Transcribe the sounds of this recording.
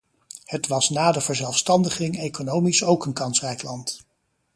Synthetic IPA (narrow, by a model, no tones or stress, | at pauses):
hətʋɑsnaːdəvəɹzɛlˠfstɑndəχɪŋejkonowmisowkənkɑnsrɛjklɑnt